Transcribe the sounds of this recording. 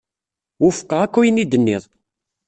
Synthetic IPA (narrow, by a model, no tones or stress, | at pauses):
ʊfə̥qːəʁækʷːujənid̪ənːɪ̰ðˤ